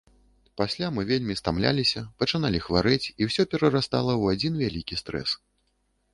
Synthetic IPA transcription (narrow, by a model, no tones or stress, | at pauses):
pasʲlʲamɨvʲelʲmʲist̪amlʲa̰lʲisʲɐpɐt͡ʂɨnalʲixvaɾɨt͡sʲiwsʲɔpʲɛɾɐɾast̪alˠɐwad͡zʲinvʲalʲikʲist̪ɾɛ̰s